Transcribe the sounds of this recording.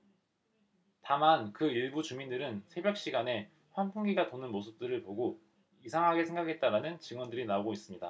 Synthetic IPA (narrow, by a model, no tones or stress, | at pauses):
tamankɯiɭbut͡ɕumindɯɾɯnsʰe̞bjʌk̚ɕ͈iɡane̞ | ɸwanpʰuŋɡiɡatonɯnmosʰɯp̚t͈ɯɾɯɭpoɡo | isʰaŋɦaɡesʰe̞ŋɡakʰe̞t̚t͈aɾanɯnt͡ɕɯŋwʌndɯɾinaoɡois͈ɯmɲida